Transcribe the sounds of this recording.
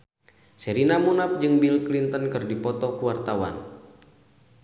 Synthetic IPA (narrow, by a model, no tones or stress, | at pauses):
sɛɾinamunap̚d͡ʒɨŋbilklint̪ənkɨrdipɔt̪ɔkuwart̪awa̰n